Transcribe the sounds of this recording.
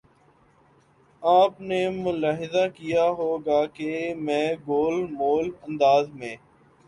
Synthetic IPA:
aːpneːmʊlaːɦɪzakijaɦoːɡaːkemɛ̃ːɡoːlmoːlə̃nd̪aːzmẽː

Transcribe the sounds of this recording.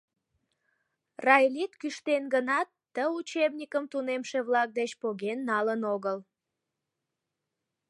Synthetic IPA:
rɑjlit̪kyʃt̪enɡənɑt̪ːəut͡ɕebnʲikəmt̪unemʃeβlɑk̚d̪et͡ɕpoɣenːɑlənoɣəl

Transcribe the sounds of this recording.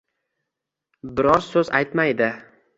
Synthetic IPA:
bɪɾɒɾsɵza̰jt̪majd̪ɪ

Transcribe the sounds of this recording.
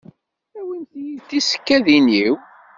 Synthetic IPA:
æwinθjiθisə̥kːæðiniw

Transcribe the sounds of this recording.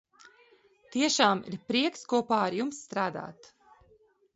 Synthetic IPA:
t̪iɛʃaːmḭɾpɾiɛkskuɔpaːaɾjumsːt̪ɾaːd̪a̰ːt̪

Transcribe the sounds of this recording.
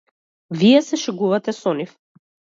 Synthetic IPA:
vijɛsɛʃɛɡuvat̪ɛsɔnif

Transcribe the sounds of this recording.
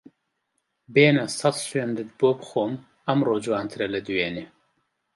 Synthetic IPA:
beːnɐsɑt̪swend̪ɨt̪̚boːbɨxoːm | ɐmroːd͡ʒuwaːnt̪ʰɨɾɐlɐd̪uweːneː

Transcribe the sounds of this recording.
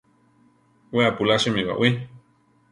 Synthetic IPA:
weapulaʃɨmiβa̰ʔwi

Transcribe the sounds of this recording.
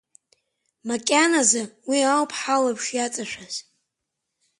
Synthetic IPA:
makʲʼanazawiawpʰħalapʰʂjat͡sʼaʃʷᶣaz

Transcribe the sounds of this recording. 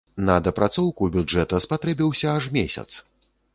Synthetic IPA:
nɐd̪ɐpɾʔat̪sɔwkubʲud͡ʐɛt̪ɐspat̪ɾɛbʲiwsʲɐaʐmʲesʲɐ̰t̪s

